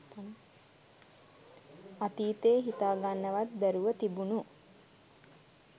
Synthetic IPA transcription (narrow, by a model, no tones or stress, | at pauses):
at̪iːt̪eːɦit̪aːɡanːəʋat̪bæɾuʋət̪ibunu